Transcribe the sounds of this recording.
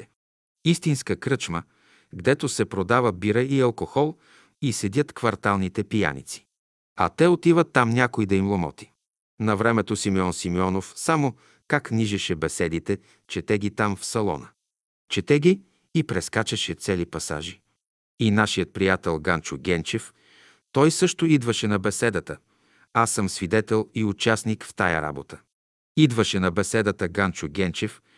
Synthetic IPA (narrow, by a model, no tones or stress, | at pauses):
ist̪inskəkɾɤt͡ʃmə | ɡd̪ɛt̪osɛpɾod̪avəbiɾəiɐlˠkoxɔlˠ | isɛd̪ʲət̪kvɐɾt̪alˠnit̪ɛpija̰nḭt̪si̥ | ɐ̰t̪ɛot̪ivət̪ːamnʲakoid̪ɐimlˠomɔ̰t̪i̥ | nɐvɾɛmɛt̪osimiɔnsimiɔnofsamo | kakniʒɛʃɛbɛsɛd̪it̪ɛ | t͡ʃɛt̪ɛɡit̪amfsɐlˠɔ̰nə | t͡ʃɛt̪ɛɡʲiː | pɾɛskat͡ʃɛʃɛt̪sɛlipɐsa̰ʒi | inaʃijət̪̚pɾijat̪ɛlˠɡant͡ʃʊɡʲɛnt͡ʃɛf | t̪ɔjsɤʃt̪ʊid̪vəʃɛnɐbɛsɛd̪ət̪ə | asːəmsvid̪ɛt̪ɛlˠiʊt͡ʃasnikft̪ajə̰ɾa̰bot̪ə̥ | id̪vəʃɛnɐbɛsɛd̪ət̪əɡant͡ʃʊɡʲɛnt͡ʃɛf